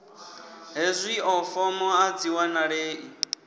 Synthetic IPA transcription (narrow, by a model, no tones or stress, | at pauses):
ɦezʷiɔfɔmɔad͡ziwanaɺeːʔi